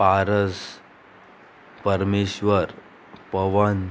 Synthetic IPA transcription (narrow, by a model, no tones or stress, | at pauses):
paɾəs | pəɾmeɕʋəɾ | pəʋən